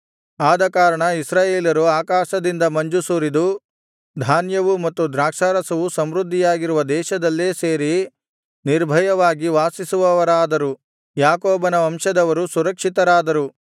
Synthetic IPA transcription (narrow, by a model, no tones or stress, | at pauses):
aːd̪ɐkaːɾɐɳɐisɾaːjeːlɐɾuaːkaːʃɐd̪ind̪ɐmɐɲd͡ʒusuːɾid̪u | d̪ʱaːnjɐʋumɐt̪ːud̪ɾaːkʂaːɾɐsɐʋusɐmɾud̪ʱːijaːɡiɾuʋɐd̪ɛːʃɐd̪ɐlːeːse̞ːɾi | niɾbʱɐjɐʋaːɡiʋaːsisuʋɐʋɐɾaːd̪ɐɾu | jaːkoːbɐnɐɐmʂɐd̪ɐʋɐɾusuɾɐkʂit̪ɐɾaːd̪ɐɾu